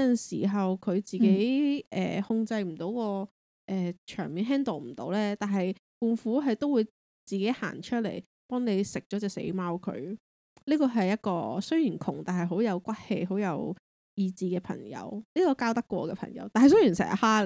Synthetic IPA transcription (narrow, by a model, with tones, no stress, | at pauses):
ɐ˨nsiː˨˩ɦɐ˨wkʰɵ˨˧ɥt͡siː˨ke˧˨˥jʔɛ̰ː˨hʊ˧ŋt͡sɐ˧jm̩˨˩t̪o˨˥wkɔː˧ | ʔɛː˨t͡ʃʰœ̰ː˨˩ŋmiː˨˧nɦɛː˥nt̪o˨˩wm̩˨˩t̪o̰˨˥wlɛː˥t̪aː˨nɦɐ˨jkuː˨˩nfuː˨˥ɦɐ˨jt̪o˥wuː˨˧j | t͡siː˨ke˨˥jha̰ː˨˩nt͡ʃʰɵ˥t̚lḛ˨˩j | pɔː˥ŋne˨˧jsɪ˨k̚t͡ʃɔː˨˥t͡sɛː˧sḛ˨˥jmaː˥wkʰɵ̰˨˧˥ɥ | liː˥kɔː˧ɦɐ˨jːɐ˥t̚kɔː˧sɵ˥ɥjyː˨˩nkʰʊ̰˨˩ŋt̪aː˨˩nɦɐ˨˩jɦo˨˥wjɐ˨˧wkʷɐ˥t̚hḛ˧jɦo˨˥wjɐ˨˧w | jiː˧t͡siː˧kɛː˧pʰɐ̰˨˩ŋjɐ̰˨˧˥wliː˥kɔː˧kaː˥wt̪ɐ˥kːʷɔ̰ː˧kɛː˧pʰɐ̰˨˩ŋjɐ̰˧˥wt̪aː˨nɦɐ˨js̬ɵ˥jyː˨˩nsɛ̰ː˨˩˥haː˥